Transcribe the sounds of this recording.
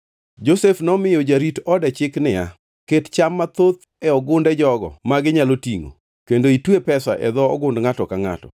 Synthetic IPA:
d͡ʒosefnɔmɪjod͡ʒaɾitɔdɛt͡ʃɪknɪja̰ | kett͡ʃamːat̪ot̪ | ɛɔɡʊndɛd͡ʒɔɡɔ̰maɡɪɲalotiŋo̰ | kendoitwepɛsa̰ʔɛ̰d̪ɔːɡʊndŋatɔkaŋa̰tɔ̰

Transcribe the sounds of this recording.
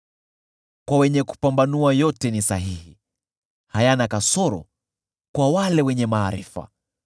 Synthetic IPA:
kwawɛɲɛku̥pambanuajɔtɛnisaɦihi | hajanakasɔɾɔ̰ | kwawalɛwɛɲɛmaːɾḭfa̰

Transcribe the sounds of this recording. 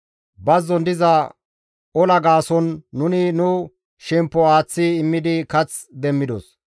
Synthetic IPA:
bɐzːɔnd̪ɪzɐ | ɔlɐɡaːsɔnːʊnɪnʊ | ʃɛmpːɔaːt͡sːɪɪmːɪd̪ɪkɐt͡sd̪ɛmːɪd̪ɔs

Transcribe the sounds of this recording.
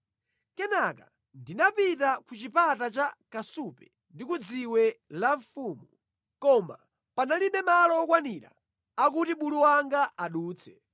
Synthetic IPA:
kɛnaka̰ | ndinapitakut͡ʃipatat͡ʃakasupɛ | ndikud͡ziwɛlaɱfuːmu | kɔma̰ | panaliɓɛmalɔːkwaniɾa̰ | ak̬utiɓuluwaŋɡaʔaɗuːt͡sʰɛ̥

